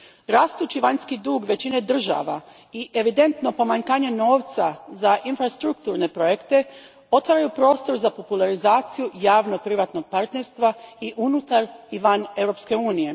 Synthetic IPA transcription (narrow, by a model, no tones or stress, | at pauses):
ɾaːst̪uːt͡ɕiʋaɲskid̪uːɡʋe̞t͡ɕine̞d̪r̩ʒa̰ʋa | iʔe̞ʋid̪e̞nt̪no̞po̞maɲkaːɲe̞no̞ːʋt̪sazaʔinfɾast̪ɾuk̚t̪uɾne̞pɾo̞jekt̪e̞ | o̞t̪ʋaːɾajupɾo̞ːst̪o̞ɾzapo̞pulˠaɾizaːt̪sijujaːʋno̞pɾiʋat̪no̞ɡ̚paɾt̪ne̞ɾst̪ʋaiʔunut̪aɾiʋane̞wɾo̞pske̞uːnije̞